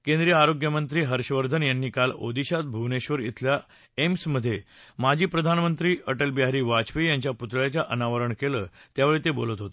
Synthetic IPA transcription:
kẽnd̪ɾijəaɾoɡjəmənt̪ɾiːɦəɾɕəʋəɾd̪ʱənjanːiːkalo̰d̪iɕat̪̚bʱuʋneɕʋəɾjḭt̪ʰlja | emsməd̪ʱːjemad͡ʑʱiːpɾəd̪ʱanmənt̪ɾiːəʈəlbjaɾiːʋat͡ɕpijaɲt͡ɕjaput̪ɭjat͡ɕjaʔənaʋəɾəɳkeləːt̪jaʋeɭiːt̪ebo̰lət̪ɦot̪ə̥

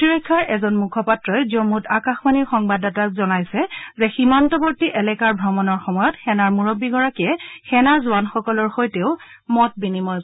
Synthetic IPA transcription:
tiɹɔjkʰːaɹɛzɔnmukʰɔpatɹɔjzomutakaxmaniɹxɔŋbadatak̚zɔnajsɛzɛximantɔpotiʔɛlɛkaɹbʱɹɔmɔnɔɹxɔmɔjɔtxɛnaɹmuɹɔbiɡɔɹakiɛxɛnaɹzʊwanxɔkɔlɔɹxojteʊ | mɔt̚binimɔj

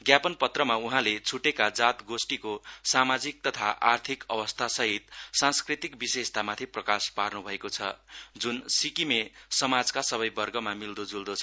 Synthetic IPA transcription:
ɡjapʌnpʌt̪rʌmauɦãlet͡sʰuʈekad͡zat̪ɡosʈikosamad͡zik̚t̪ʌt̪ʰaʔart̪ʰikʌbʌst̪ʰasʌɦit̪sãnskrit̪ikbisest̪ʰamat̪ʰiprʌkasparnubʱʌekot͡sʰʌ̰d͡zunsikimesʌmad͡zkasʌβʌjbʌrɡʌmamild̪od͡zuld̪ot͡sʰʌ

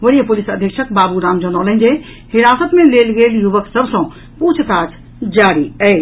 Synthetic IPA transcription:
ʋəɾijəpulisəd̪ʱjəkt͡ʃʰəkbabuɾamd͡ʒənəwlə̃nd͡ʒe | hiɾasət̪melelɡeljuʋəksəbʱsə̃ | put͡ʃʰt̪at͡ʃʰ | d͡ʒaɾiəɪ

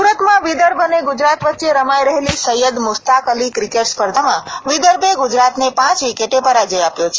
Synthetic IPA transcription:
uɾət̪mãʋid̪əɾbʱəneɡud͡ʒɾat̪ʋət̪ːʃeɾəmajɾəɦelisəjəd̪mʊst̪akəlikɾikeʈspəɾd̪ʱamãʋid̪əɾbʱeɡud͡ʒɾat̪nepãt͡ʃʋikeʈepəɾad͡ʒəjapjot͡ʃʰe

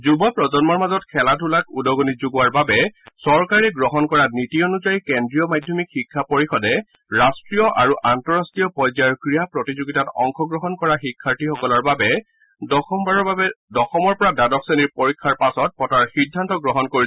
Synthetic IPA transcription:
zubɔpɹɔzɔnmɔɹmazɔtkʰɛladʱulakudɔɡonizuɡuwaɹbabɛsɔɹkaɹɛɡɹɔɦɔnkɔɹanitiɔnuzajikɛndɹijɔmadʱjɔmikxikʰːapoɹixɔdɛ | ɹastɹijɔʔaɹuʔantɔɹastɹijɔpɔjzaɹkɹijapɹɔtizuɡitatɔ̰ŋxʰɔɡɹɔɦɔnkɔɹaxikʰːaɹtixɔkɔlɔɹbabɛ | baɹɔdɔxɔmɔɹpɔɹadadɔkseniɹpoɹikʰːaɹpasɔt̚pɔtaɹxidʱːantɔɡɹɔɦɔnkoɹi

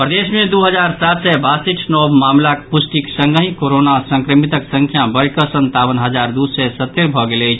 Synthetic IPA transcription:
pɾəd̪esmẽd̪uɦəd͡ʒaɾsat̪sɛbasiʈʰnɔbmamlakpusʈiksə̃ŋɡəɦĩkoɾonasə̃ŋkɾəmit̪əksəŋkʰjabəɽkəsənt̪abənɦəd͡ʒaɾd̪usɛsət̪ːeɾbʱɔɡeləjt͡ʃʰ

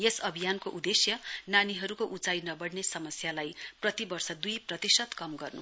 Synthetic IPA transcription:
jesʌbʱijankoʔud̪esjʌnaniɦʌɾukoʔut͡sajnʌbʌɽnesʌmʌsjalajprʌt̪ibʌrsʌd̪ujprʌt̪isʌd̪kʌmɡʌrnṵ

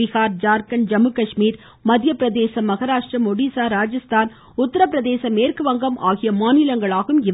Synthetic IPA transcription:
ɪɣaːɾd͡ʒaːɾkɐnd͡ʒɐmɯkɐʂmiːɾ | mɐðjɐpːɪɾɐðeːsɐmɐɣɐɾaːʂʈɾɐmɔɽisaːɾaːd͡ʒɐst̪ʰaːn | ʊt̪ːɐɾɐp̬ːɪɾɐðeːsɐmeːrkɯʋɐŋɡɐmʔaːɣɪjɐmaːnɪlɐŋɡɐɭaːɣɯmɪʋ

